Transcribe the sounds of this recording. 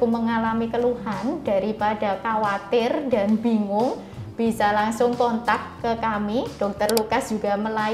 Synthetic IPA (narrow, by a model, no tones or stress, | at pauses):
kuməŋalamikəluhanda̤ɾipada̤kawat̪ɪrda̤nbi̤ŋʊŋ | b̥i̤salaŋsʊŋkɔnt̪akːəkamid̥ɔk̚t̪ərlukasd͡ʒ̥uɡa̤məla